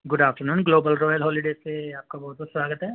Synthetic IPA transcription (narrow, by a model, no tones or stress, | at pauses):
ɡʊɖaːfʈəɾnuːnɡloːbəlɾɔːjəlɦɔːliɖeːseaːp̚kabɐɦʊt̪bɔswaːɡət̪ɦɛː